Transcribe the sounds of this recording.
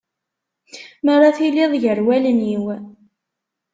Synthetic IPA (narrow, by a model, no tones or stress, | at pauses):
məɾˤaθilːɪðˤʝəɾwæləniw